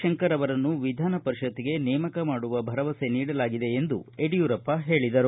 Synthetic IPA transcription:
ʃɐŋkɐɾɐʋɐɾɐnːuʋid̪ʱaːnɐpɐɾiʃɐt̪ːiɡe̞nɛːmɐkɐmaːɽuʋɐbʱɐɾɐʋɐse̞niːɽɐlaːɡid̪e̞ːnd̪ṵeɽijuːɾɐpːɐɦe̞ːɭid̪ɐɾu

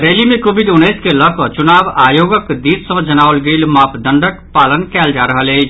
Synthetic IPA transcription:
ɾeːlimẽkoːbid̪ʊnːəːskeləkət͡ʃʊnaːbaːjoːɡəkd̪iːt̪sə̃d͡ʒənaːwəlɡiːlmaːpd̪ə̃ɳɖəkpaːlənkɛːld͡ʒaɾəɦəleː

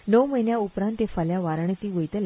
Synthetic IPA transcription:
nəwmənjaupɾãnt̪efaljaʋaɾaɳ̃et̪iːʋəjt̪əl

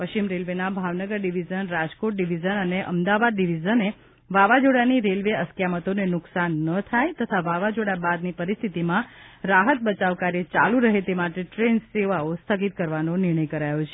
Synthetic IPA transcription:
pəʃt͡ʃimɾelʋenabʱaʋnəɡəɾɖiʋid͡ʒənɾad͡ʒkoʈ̚ɖiʋid͡ʒənəneʔə̰md̪aʋad̪ɖiʋid͡ʒəne | ʋaʋad͡ʒoɽaniɾelʋeəskjamət̪onenʊksanːət̪ʰajt̪ət̪ʰaʋaʋad͡ʒoɽabad̪nipəɾist̪ʰit̪imãɾaɦət̪̚bət͡ʃaʋkaɾjet͡ʃalũɾəɦet̪emaʈeʈɾenseʋaost̪ʰəɡit̪kəɾʋanonɪɾɽ̃əjkəɾajot͡ʃʰe

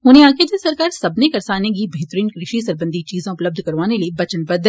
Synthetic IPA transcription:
ɦʊnẽaːked̪esɐɾkaːɾsɐbnekɐɾsaːnek̬ibʱeːt̪əɾiːnkɾɪʃisɐɾbə̃nd̪ʱit͡ʃiːzẽʊpləb̚d̪ʱkɐɾʋaːneliebɐt͡ʃənbɐd̪ʱ

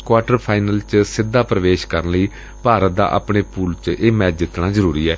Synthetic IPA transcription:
kwaːʈəɾpʰaːɪnəlt͡ʃsɪd̪ːaːpɾəʋeːʃkəɾənləiː | paːɾət̪̚d̪a̰ːʔə̰pɳeːpuːlt͡ʃʔeːmɛːt͡ʃd͡ʒɪt̪nãːzəɾuːɾiːɛː

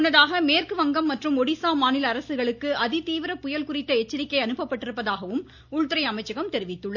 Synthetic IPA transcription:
ʊnːɐðaːɣɐmeːrkɯʋɐŋɡɐmːɐʈrɯmɔɽɪsaːmaːnɪlɐɾɐsɯɣɐɭɯkːɯʔɐðɪt̪iːʋɪɾɐpʊjɐlkʊrɪʈ̪ːɐɛt͡ʃːɪɾɪkːɐɪɐnɯpːɐpːɐʈːɪɾɯpːɐðaːɣɐʋɯm | ʊɻt̪ɪɾɐɪɐmɐɪt͡ʃːɐɣɐmt̪ɛɾɪʋɪt̪ːɯɭːɐ

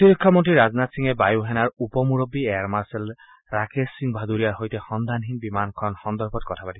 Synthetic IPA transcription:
t̪iɾikʰːɔmɔntɹiɹaznat̪siŋɛbajuɦɛnaɹupɔmuɹobiɛaɹmaɹsɛl | ɹakesːiŋbʱad̪uɹijaɹɦojtɛxɔnd̪ʱanɦinbimankʰɔnxɔnd̪ɔɹbʰʱɔt̚kɔtʰapatis

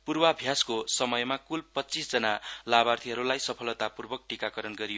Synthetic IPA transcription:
purbabʱjaskosʌmʌjmakulpʌtt͡sisd͡zʌnalabart̪ʰiɦʌɾulajsʌpʰʌlʌt̪apurbʌk̚ʈikakʌɾʌnɡʌɾijo

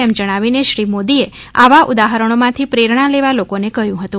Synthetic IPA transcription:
ɛmd͡ʒəɽ̃aʋineʃɾimod̪iea̰ʋaʔud̪aɦəɾəɽ̃omãt̪ʰipɾeɾɳ̃aleʋalokonekəɦjũɦət̪ũ

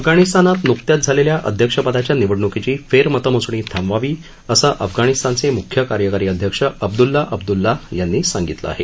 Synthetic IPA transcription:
əfɡaɽ̃ist̪anat̪nukt̪jat̪̚d͡zʱaleljaʔə̰d̪ʱjəkʂəpəd̪at͡ɕjaniʋəɽɳukit͡ɕiːfeɾmət̪əmut͡sɳ̃iːt̪ʰãmʋaʋiː | əsəʔəfɡaɽ̃ist̪ant͡semukʰjəkaɾjəkaɾiːəd̪ʱjəkʂəəb̚d̪ulːaʔəb̚d̪ulːajanːiːsaŋɡit̪lə̰a̰ɦḛ

